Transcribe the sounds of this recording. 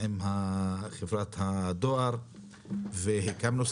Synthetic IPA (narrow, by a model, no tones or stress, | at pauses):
imhaχevɾat̪had̪oaɾ | veɦekamlus